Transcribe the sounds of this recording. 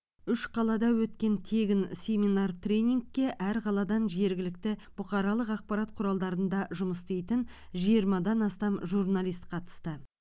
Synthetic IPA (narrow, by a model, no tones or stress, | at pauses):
ʏʃqʰɑlˠɑd̪ɑwɵt̪kʲe̞nt̪ʰe̞ɡʲɪnsʲe̞minart̪rʲe̞jnʲiŋɡ̚ːʲe̞ʔæɾqʰɑlˠɑd̪ɑnʒe̞ɾɡʲɪlɪkt̪ɪb̥ʊqɑɾɑlˠəqɑq̚pɑɾɑt̪̚qʰʊɾɑlˠd̪ɑɾənd̪ɑʒʊməst̪ejt̪ɪn | ʒijəɾmɑd̪ɑnɑst̪ɑmʒurnalˠijst̪qʰɑt̪ə̥st̪ə